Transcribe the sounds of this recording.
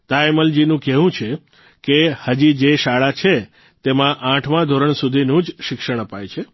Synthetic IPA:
t̪aeməld͡ʒinũkɛɦũt͡ʃʰe | kehəd͡ʒid͡ʒeʃaɭat͡ʃʰe | t̪emãʔãʈʰmãd̪ʱoɾəɳsud̪ʱinũd͡ʒʃɪkʃəɳ̃əpajt͡ʃʰe

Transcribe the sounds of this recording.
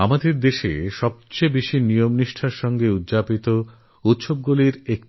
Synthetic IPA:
amad̪eɾd̪eʃḛʃɔb̚t͡ɕebiʃinijomniʃʈʰaɾʃɔŋɡeud̪d͡ʑapit̪o | ut̪ʃob̚ɡuliɾek̚

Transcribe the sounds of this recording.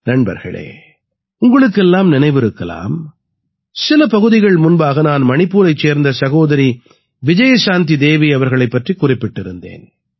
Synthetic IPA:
nɐɳbɐ̰ɾɣɐ̰ɭḛː | ʊŋɡɐɭɯkːɛlːaːmnɪnɐɪʋɪɾɯkːɐla̰ːm | sɪlɐpɐɣɯðɪɣɐɭmʊnbaːɣɐnaːnmɐɳɪpːuːɾɐɪt͡ʃːeːɾnd̪ɐsɐɣoːðɐɾi | ʋɪd͡ʒɐjɐsaːnt̪̬id̪eːʋiɐʋɐɾɣɐɭɐɪpːɐʈrikːʊrɪpːɪʈːɪɾɯnd̪ḛːn

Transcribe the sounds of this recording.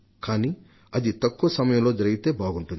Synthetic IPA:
kaːniː | ɐd̪it̪ɐkːuːʋɐsɐmɐjɐ̃mlo̞ːd͡ʒɐɾɐɡit̪e̞ːbaːɡuɳʈund̪i

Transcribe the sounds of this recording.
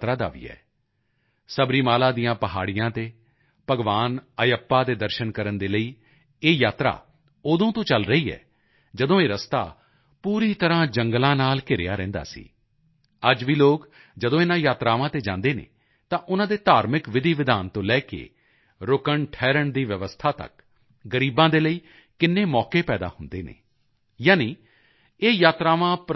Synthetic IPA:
t̪ɾaːd̪a̰ːʋḭːɛ̰ː | səbɾiːmaːlaːd̪ijãːpəɦaːɽɪjãːt̪eː | pəɡʋaːnəjəpːaːd̪eːd̪əɾʃənkəɾənd̪eːləiː | eːjaːt̪ɾa̰ː | oːd̪õːt̪õːt͡ʃəlɾəiːɛ̰ː | d͡ʒəd̪õːeːɾəst̪a̰ː | puːɾiːt̪əɾãːd͡ʒəŋɡlãːnaːlkɪɾḛjaːɾɛ̃ːnd̪a̰ːsḭː | əd͡ʒʋiːloːk | d͡ʒəd̪õːɪnãːjaːt̪ɾaːʋãːt̪eːd͡ʒã̰ːnd̪eːnḛ̃ː | t̪ãːʔʊnãːd̪eːt̪aːɾmɪkʋɪd̪iːʋɪd̪aːnt̪õːlɛːkḛː | ɾʊkəɳʈʰɛːɾəɳd̪iːʋjəʋəst̪ʰaːt̪ə̰k | ɡəɾiːbãːd̪eːləiː | kɪnːeːmɔːkeːpɛːd̪a̰ːhʊnd̪eːnḛː | jaːniː | eːjaːt̪ɾaːʋãːp

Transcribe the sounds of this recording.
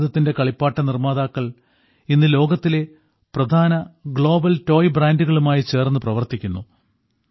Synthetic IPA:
ðɐt̪ːinde̞kɐɭipːaːʈːɐnirmaːd̪aːkːɐɭ | inːɨlo̞ːɡɐt̪ːile̞ | prɐd̪ʱaːnɐɡɭo̞ːbɐlto̞ːjbraːnduɣɐɭumaːjit͡ɕe̞ːrnːɨprɐʋɐrt̪ikʲːunːu

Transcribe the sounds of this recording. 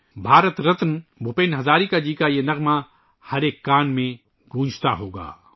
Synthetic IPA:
bʱaːɾət̪ɾɐt̪nbʱʊpeːnɦɐzaːɾikad͡ʒiːkajenɐɣma | hɐɾeːkːaːnmẽ | ɡũːd͡ʒt̪aɦoːɡa̰ː

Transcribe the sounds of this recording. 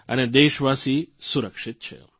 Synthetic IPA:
əned̪eːʃʋasisuɾəkʃɪt̪̚t͡ʃʰḛ

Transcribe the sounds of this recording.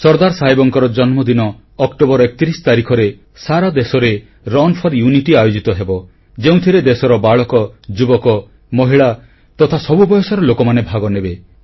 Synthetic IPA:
sɔɾd̪aɾsaɦibɔŋkɔɾɔd͡ʒɔnmɔd̪inɔː | kʈobɔɾɔekɔ̥t̪iɾisɔ̥t̪aɾikʰɔɾe | saɾad̪esɔɾe | ɾɔnpʰɔɾjuniʈiajod͡ʒit̪ɔɦebɔ | d͡ʒeũt̪ʰiɾed̪esɔɾɔbaɭɔkɔd͡ʒubɔkɔ | mɔɦiɭa | t̪ɔt̪ʰasɔbubɔjɔsaɾɔlokɔmanebʱaɡɔnebe

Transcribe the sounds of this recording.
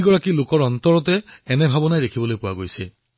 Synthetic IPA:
ɡɔɹakilokɔɹɔnt̪ɔɹɔtɛːnɛbʱabɔnajdekʰibɔlojpʊwaɡojsɛ

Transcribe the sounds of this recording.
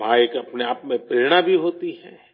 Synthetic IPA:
bʱaːjkɐpneaːpmẽpɪlnabʱiɦoːt̪iɦɛ̰ː

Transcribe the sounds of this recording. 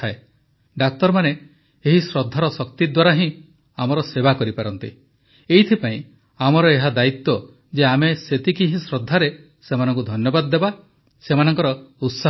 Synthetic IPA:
ae | ɖak̚t̪ɔɾmane | eɦisɾɔd̪ʱːaɾɔsɔkt̪id̪waɾaɦĩ | amɔɾɔsebakɔɾipaɾɔnt̪ḭ | eit̪ʰipaĩ | amɔɾɔeɦad̪ait̪ːɔ | d͡ʒeameset̪ikiɦĩsɾɔd̪ʱːaɾe | semanɔŋkud̪ʱɔnjɔbad̪ɔːeba | semanɔŋkɔɾɔut̪sa

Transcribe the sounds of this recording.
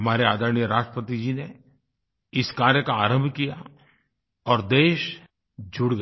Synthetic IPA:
ɐmaːɾeaːd̪ʱəɾnjəɾaːʃʈɾəpət̪id͡ʒine | ɪskaːɾjəkaaːɾə̃mbʱkija̰ | ɔːɾd̪eːʃ | d͡ʒʱʊɽɡ

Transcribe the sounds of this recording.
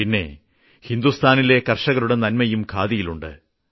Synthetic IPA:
inːe̞̰ | hind̪ust̪ʰaːnile̞kɐrʂɐɣɐɾuɽe̞nɐnmɐjumkʰaːðijiluɳɖɨ̰

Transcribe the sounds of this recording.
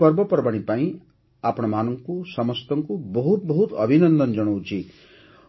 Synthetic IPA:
ɔɾbɔpɔɾbaɽ̃ĩpaĩ | apɔɽ̃ɔmanɔŋkusɔmɔst̪ɔŋkubɔɦut̪bɔɦut̪ʌbʱinʌnd̪ɔnd͡ʒɔɽ̃ɔwt͡ʃʰi

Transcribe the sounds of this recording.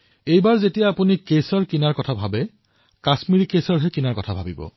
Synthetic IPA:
ejbaɹzetijaːpunikesɔɹkinaɹkɔtʰabʱabɛ | kasmiɹikesɔɹɦɛkinaɹkɔtʰabʱabibɔ̰

